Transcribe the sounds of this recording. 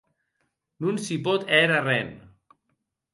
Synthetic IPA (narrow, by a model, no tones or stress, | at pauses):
nunsipɔt̪ɛɾarɛn